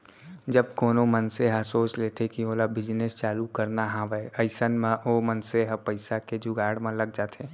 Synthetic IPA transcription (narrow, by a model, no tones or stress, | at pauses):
d͡ʒɐb̚koːnõmənseɦasoːt͡ʃleːt̪ekioːlabɪd͡ʒnest͡ʃaːlukəɾnaɦãːʋəəɪsənmãʔoːmənseɦapəɪsaked͡ʒʊɡaːɽmãlɐɡ̚d͡ʒaːt̪eː